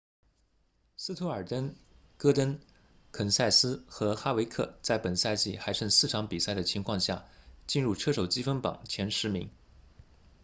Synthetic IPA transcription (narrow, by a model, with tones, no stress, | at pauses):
sɹ̩˥t̪ʰu˧˥ə˞˨˩t̪ə˥n | kɤ˥t̪ə˥n | kʰə˨˩nsa˥˩ɪsɹ̩˥xɤ˧˥xa˥we˧˥ɪkʰɤ̰˥˩t͡sa˥˩ɪpə˨˩nsa˥˧ɪt͡ɕḭ˥˩xa˧˥ɪʂʰɤ˥˧ŋsɹ̩˥˩ʈ͡ʂʰɑ˧˥ŋpi˨˩sa˥˩ɪd̪ə˩t͡ɕʰi˧˥ŋkʰwɑ˥˧ŋɕja̰˥˩t͡ɕi˥˧nɻu˥˩ʈ͡ʂʰɤ˥ʂo˨˩ʊt͡ɕi˥fə˥npɑ̰˨˩˦ŋt͡ɕʰjɛ˧˥nʂɻ̩˧˥mi˧˥ŋ